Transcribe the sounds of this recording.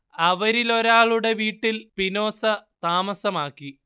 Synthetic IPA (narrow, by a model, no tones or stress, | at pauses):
ɐʋɐɾilo̞ɾaːɭuɽe̞ʋiːʈːilpino̞ːsɐt̪aːmɐsɐmaːkːi